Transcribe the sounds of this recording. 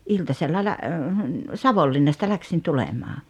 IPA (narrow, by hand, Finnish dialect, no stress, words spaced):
iltɑselːɑ læ sɑʋolːinːɑstɑ læksin tulemɑː